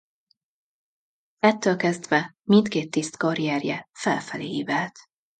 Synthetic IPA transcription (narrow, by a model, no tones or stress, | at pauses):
ɛt̪ːøːlkɛzd̪vɛmint̪keːt̪ːist̪kɒɾiɛːrjɛfɛlfɛlḛːiːvɛlt̪